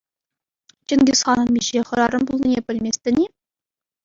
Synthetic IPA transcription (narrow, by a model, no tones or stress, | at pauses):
t͡ɕɘ̆nɡʲɘ̆sχɑnɤ̆nmʲiɕeχɤ̆ɾɑɾɤ̆mbulˠnʲinʲepʲɘ̆lʲmʲesʲt̪ʲɘ̆nʲe